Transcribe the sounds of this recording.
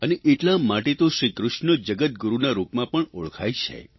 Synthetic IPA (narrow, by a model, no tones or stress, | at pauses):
əneʔeʈlamaʈet̪oʃɾikɾʊʃnəd͡ʒəɡət̪̚ɡuɾunaɾupmãpəɳuɭkʰajt͡ʃʰḛ